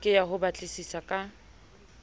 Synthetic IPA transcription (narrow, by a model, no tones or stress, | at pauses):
kʼɪjaɦʊbat͡ɬʼɪsisakʼa